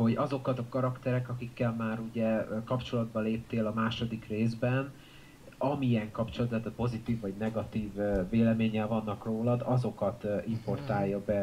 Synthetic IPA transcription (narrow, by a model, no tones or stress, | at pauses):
ho̞ɟɒzo̞kɒt̪ɒkɒɾɒkt̪ɛɾɛkɒkikːɛlmaːɾuɟɛkɒpt͡ʃo̞lɒd̪̚bɒleːp̚t̪eːlɒmaːʃo̞d̪ikreːzbɛn | ɒmiɛŋkɒpt͡ʃolt̪t̪ːat̪ːt̪̚po̞zit̪iːvːɒɟnɛɡɒt̪iːvːeːlɛmeːɲɛlvɒnːɒkroːlɒd̪ɒzo̞kɒt̪ʔimpo̞rt̪aːjːɒbɛ